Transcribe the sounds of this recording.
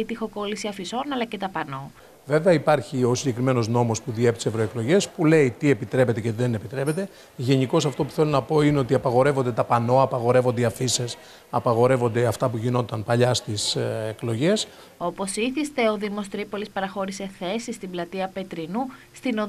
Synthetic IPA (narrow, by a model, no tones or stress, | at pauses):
it̪ixo̞ko̞lisiɐfiso̞nɐlɐce̞t̪ɐpɐno | ve̞veɐipɐɾçio̞siɲɟe̞kɾime̞no̞zno̞mo̞spuðiepit̪ise̞vɾo̞e̞klo̞ʝe̞spule̞it̪ie̞pit̪ɾe̞pe̞t̪eceðe̞nepit̪ɾe̞pe̞t̪e̞ | ʝe̞niko̞sɐft̪o̞pu̥θe̞lonɐpo̞ineo̞t̪iɐpɐɣo̞ɾe̞vond̪e̞t̪ɐpɐno̞ɐpɐɣo̞ɾe̞vo̞nd̪iɐfises | ɐpɐɣo̞ɾe̞vo̞nd̪eɐft̪ɐpuʝino̞t̪ɐnpɐʎɐst̪iseklo̞ʝe̞s | o̞po̞siθist̪e̞oðimost̪ɾipo̞lispɐɾɐxo̞ɾise̞θe̞sist̪iblɐt̪iɐpe̞t̪ɾinust̪ino̞